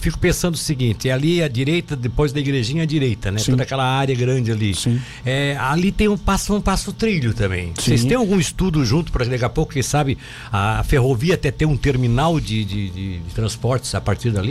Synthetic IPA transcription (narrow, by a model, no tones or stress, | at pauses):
fikʊ̥pẽsɐ̃nd̪ʊsiɡĩnt͡ʃ̪ɪaliɐd͡ʒiɾejt̪ɐd̪epojzd̪ɐiɡɾeʒĩɲɐd͡ʒiɾejt̪ɐnɛstõd̪ɐkɛlɐaɾjɐɡɾɐ̃nd͡ʒɪalisĩ | ɛalit̪ẽj̃ũpasũpasʊt̪ɾiʎʊt̪ɐ̃mbḛ̃j̃sejst̪ẽj̃awɡũist̪ud̪ʊʒũt̪ʊ̥pɾɐkɪd̪akɛapowkʊkẽsabɪ | aːfeɦoviɐat̪ɛt̪ẽj̃ũt̪eɾminawd͡ʒɪd͡ʒɪd͡ʒɪd͡ʒɪt̪ɾɐ̃spɔɾt͡ʃɪ̥zapaɾt͡ʃiɾd̪ali